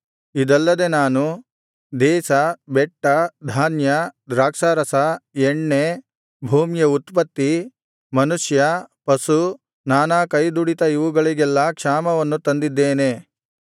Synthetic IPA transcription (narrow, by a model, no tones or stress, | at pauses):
id̪ɐlːɐd̪e̞naːnu | d̪ɛːsɐbɛʈːɐd̪ʱaːnjɐd̪ɾaːkʂaɾɐsɐɛɳːe | bʱuːmjɐut̪pɐt̪ːi | mɐnuʂjɐpɐsu | naːnaːkɐjd̪uɽit̪ɐiʋuɡɐɭiɡɛlːɐkʂaːmɐʋɐnːut̪ɐnd̪id̪ːeːne